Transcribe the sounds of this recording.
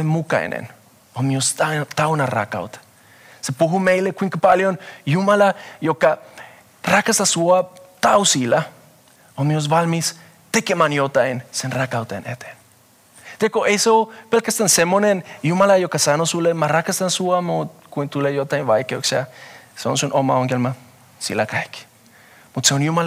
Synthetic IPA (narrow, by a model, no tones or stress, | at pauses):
emuka̰ḭnḛn | omiost̪at̪awnara̰ka̰wt̪ḁ | sepuɦumejlekuiŋkapaljonjumalajoka | rakasasuat̪awsiːla | omios̬ʋalmis | t̪ekemanjot̪ajnsenrakawt̪aenʔet̪en | t̪ekoʔesowpelkast̪ansemonenjumalajokasanosulemarakast̪ansuamut̪̚kʷint̪ulejot̪ainβajkeoksaseo̰nsunʔomaoŋkelma | sḭlakaik | mut̪seonjuma